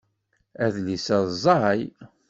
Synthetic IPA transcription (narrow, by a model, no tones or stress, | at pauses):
æðlisæðzˤɑj